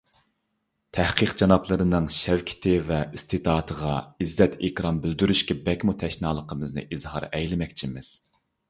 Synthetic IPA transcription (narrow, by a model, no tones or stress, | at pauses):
t̪ʰæhqəqd͡ʒɑnɑplˠəɾɨnɨŋʃɛwkʲʰɪ̥t̪ʰɪvɛist̪ʰɨt̪ʰɑːt̪ʰəʁɑizːɛt̪ʰekʲɾɑmbɪld̪yɾyʃkʲɛbɛkʲmut̪ʰɛʃnɑːlˠəqʰəmɨznɨ̰ʔiz̥hɑ̰ɾɛjlɪmɛk̚ʲt͡ʃʰimɪz̥